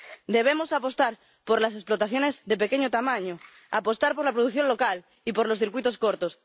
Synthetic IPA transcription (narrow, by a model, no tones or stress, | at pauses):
d̪e̞β̞emosapo̞st̪aɾ | poɾlasesplot̪aθjo̞ne̞zðe̞pe̞keɲot̪amãɲo | a̰po̞st̪aɾpo̞ɾlapɾoð̞uθjo̞nlo̞kal | ipoɾlo̞sθiɾkwit̪o̞skoɾt̪os